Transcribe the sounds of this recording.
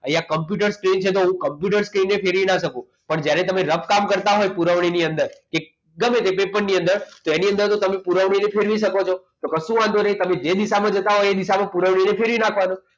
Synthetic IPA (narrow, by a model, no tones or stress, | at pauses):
əjakəmpjuʈ̬əɾskɾint͡ʃʰet̪̬oɦũkəmpjuʈ̬əɾskɾinːepʰeɾʋinaʃəkũ | pəɳd͡ʒjaɾet̪əmẽɾəpkamkəɾt̪aɦojpuɾəʋɳ̃iniənd̪əɾke | ɡəmẽt̪epepəɾniə̃nd̪əɾt̪oeniə̃nd̪əɾt̪ot̪əmẽpuɾəʋɳ̃inepʰeɾʋiʃ̬əkot͡ʃʰo | t̪okəsũãnd̪oɾəit̪əmẽd͡ʒed̪isamãd͡ʒət̪aɦojed̪isamãpuɾəʋɽ̃inepʰeɾʋinakʰʋanõ